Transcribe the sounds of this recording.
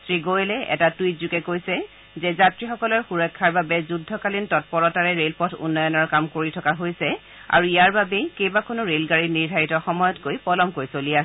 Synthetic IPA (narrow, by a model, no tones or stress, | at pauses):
tɹiɡolɛɛ̰tatujtzukɛkojsɛ | zɛzatɹixɔkɔlɔɹxuɹɔkʰːaɹbabɛzudʱːɔkalintɔt̚pɔɹɔtaɹɛɹelpɔtʰṵnːɔjɔnɔɹkamkoɹitʰɔkaɦojsɛ | a̰ɹuijaɹbabɛkejbakʰonʊɹelɡaɹiniɹdʱaɹitɔxɔmɔjɔtkojpɔlɔmkoɹjsolia